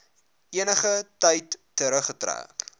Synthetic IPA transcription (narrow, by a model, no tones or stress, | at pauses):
iənəχətɐjtː | əɾəχətræ̰ːk